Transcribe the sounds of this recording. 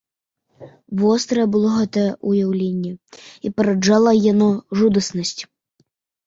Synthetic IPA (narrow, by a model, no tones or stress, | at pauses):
vɔst̪ɾɐjɛbɨlˠɔɣɛt̪ɐjɛʔujawlʲenʲːɛipɐɾɐd͡ʐalˠɐjanɔʐud̪ɐsnɐsʲt͡sʲ